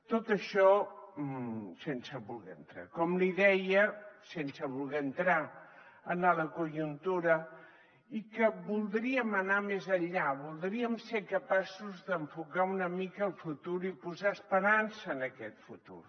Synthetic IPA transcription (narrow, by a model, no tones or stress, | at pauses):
t̪ot̪əʃɔ | sensəβulˠɣɛ̰ənt̪ɾa̰kɔmliðɛjəsensəβulˠɣɛənt̪ɾa | ənaðəkuʒunt̪uɾə | ikəbulˠd̪ɾiəmənamezəʎaβulˠd̪ɾiəmseɾkəpasuzðəɱfukaunəmikəːlˠfut̪uɾipuzaəspəɾansəːnəkɛt̪fut̪ṵɾ